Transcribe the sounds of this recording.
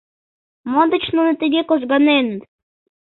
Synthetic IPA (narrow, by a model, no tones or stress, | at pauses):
mod̪ə̆t͡ɕnunə̆t̪əɡʲekoʒɡɑnen